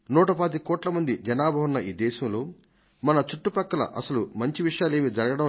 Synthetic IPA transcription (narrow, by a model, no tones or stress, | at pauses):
nuːʈɐpɐd̪ikɔːʈlɐmɐnd̪id͡ʒɐnaːbʱɐʋunːɐʔiːd̪ɛːʃɐmlo̞ː | mɐnɐt͡ʃuʈːupɐkːɐlɐ̰ʔɐsɐlumɐɲt͡ʃiʋiʂɐjaːle̞ːmid͡ʒɐɾɐɡɐɽɐ̃